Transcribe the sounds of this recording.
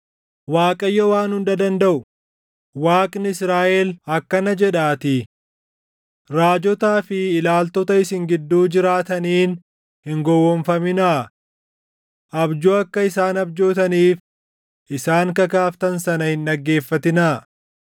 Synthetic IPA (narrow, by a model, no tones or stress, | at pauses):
waːkʼɐjːɔwaːnhʊnd̪ɐd̪ɐnd̪ɐʔʊ | waːkʼnɪɪsɾaːʔɛlhɐkːɐnɐd͡ʒɛᶑaːt̪ɪ | ɾaːd͡ʒɔt̪aːfɪːlaːlt̪ɔt̪ɐɪsɪŋɡɪd̪ːuːd͡ʒɪɾaːt̪ɐniːn | hɪŋɡɔwːɔɱfɐmɪnɐ | ʔɐbd͡ʒuːɐkːɐɪsaːnɐbd͡ʒoːt̪ɐniːf | ʔɪsaːŋkɐkaːft̪ɐnsɐnɐhɪnᶑɐɡːe̞ːfːɐt̪ɪnɐ